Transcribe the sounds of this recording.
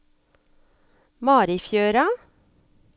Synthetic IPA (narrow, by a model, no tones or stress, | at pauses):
mɑːɾɪfjøːɾɑ